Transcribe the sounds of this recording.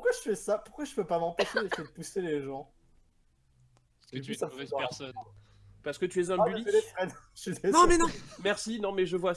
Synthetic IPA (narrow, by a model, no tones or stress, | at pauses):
puχkwaʒəfɛsapuʁkwaʒəpøpamɑ̃peʃed̪esejed̪əpuseleʒɑ̃ | sãɛɛsɔn | paʁsə̥kət̪yɛzɛ̃abylilɛfχɛd̪ʃilɛñmɛnɔ̃mɛʁsinɔ̃mɛʒəvwa